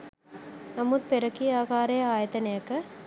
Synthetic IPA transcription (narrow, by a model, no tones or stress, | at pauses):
nɐmut̪̚peɾɐkːiaːkaːɾɐjɐaːjɐt̪ɐnɐjɐkːɐ